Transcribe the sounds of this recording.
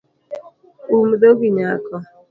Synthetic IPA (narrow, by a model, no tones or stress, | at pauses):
um̩doɡiɲakɔ